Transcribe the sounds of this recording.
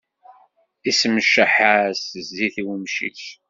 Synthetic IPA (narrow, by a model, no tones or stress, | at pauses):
isəməʃːəħasəzːiθiwəmʃḭθ